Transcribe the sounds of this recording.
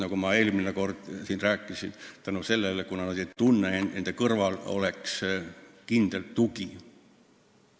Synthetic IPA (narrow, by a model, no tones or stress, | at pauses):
nɑkumɑe̞ːlmineko̞rd̪̥siːnræːkːˑisint̪ænuse̞lːelekunɑnɑd̪et̪unːeenend̪̥ekɤrvɑlo̞̰le̞kskind̪̥elt̪t̪uɡi